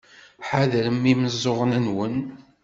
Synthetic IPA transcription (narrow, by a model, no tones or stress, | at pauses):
ħaðɾəmːiməzˤːoʁənænwən